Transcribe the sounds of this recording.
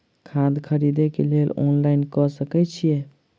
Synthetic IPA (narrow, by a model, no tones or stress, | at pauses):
kʰãd̪kʰəɾid̪ɛkelelɔ̰nlainkɔsəkɛt͡ʃʰijɛ